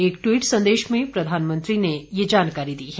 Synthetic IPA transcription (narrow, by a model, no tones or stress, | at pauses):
ekʈwiːʈsə̃nd̪eʃmẽpɾəd̪ʱanmənt̪ɾinejed͡ʒankaɾid̪iːɦɛ